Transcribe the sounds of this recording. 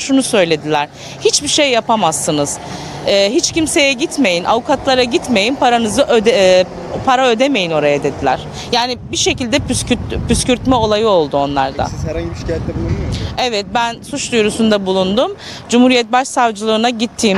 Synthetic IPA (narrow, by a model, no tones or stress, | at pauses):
ʃunusø̞jlʲe̞d̪ilʲæɾ̥ | hit͡ʃbiʃejːapamasːɯnɯz̥ | ɛːɦit͡ʃcimse̞jɛɟit̪me̞jinʔa̰vukat̪lˠaɾaɟit̪me̞jinpʰaɾanɯzɯʔød̪ | pʰaɾaø̞d̪e̞me̞jino̞ɾajad̪e̞d̪ilʲæ̰ɾ̥ | jaːnibiʃe̞cilʲd̪ɛpysyt̪pyscyɾt̪mɛo̞lˠajɯo̞lˠd̪uo̞nlˠa̰ɾd̪a̰ʃɛɛb̪ˠuɛvɛt̪̚bænsut͡ʃd̪ujɾusund̪abulˠund̪um | d͡ʒumhuɾijɛt̪̚baʃsavd͡ʒɯlˠɯːnaɟit̪ʰːiːm